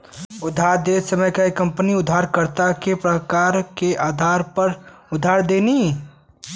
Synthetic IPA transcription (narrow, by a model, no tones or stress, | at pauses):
ʊd̪ʱːaɾd̪esəməjkaikə̃mpniʊd̪ʱːaːɾkəɾt̪akepɾəkaːɾkeʔaːd̪ʱaːɾpəɾʊd̪ʱːaːɾd̪eni